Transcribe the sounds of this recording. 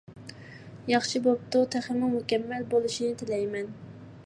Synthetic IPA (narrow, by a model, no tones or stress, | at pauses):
jɑχʃibop̚t̪ʊt̪ʰæχɪnɨŋmukʲɛmːɛlbolˠuʃinɪt̪ʰɪlɛjmɛn